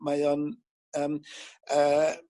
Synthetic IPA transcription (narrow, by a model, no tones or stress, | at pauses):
majɔn | əmə